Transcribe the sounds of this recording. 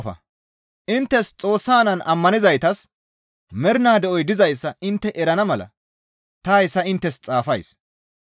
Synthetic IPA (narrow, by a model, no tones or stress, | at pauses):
fɐ̰ | ʔɪnt̪ːɛst͡sʼoːsːaːnɐnɐmːɐnɪzɐjt̪ɐs | mɛɾnaːd̪ɛʔɔjd̪ɪzɐjsːɐʔɪnt̪ːɛʔɛɾɐnɐmɐlɐ̰ | t̪ɐjsːɐɪnt̪ːɛst͡sʼaːfɐjs